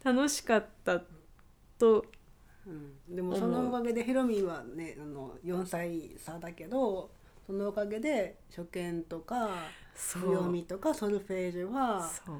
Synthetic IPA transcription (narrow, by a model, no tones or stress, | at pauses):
t̪ano̞ɕi̥kat̪ːa | t̪o | ɯ̟̃ɴd̪e̞mo̞so̞no̞okaɡe̞d̪eçiɾo̞mʲiβane̞ano̞̰jõ̞ɰ̃saisad̪ake̞d̪o̞ | so̞noːkaɡe̞d̪e̞ | ɕo̞kẽ̞nt̪o̞kasjo̞mʲit̪o̞kasoɾɯ̟ɸe̞ːʑiβaso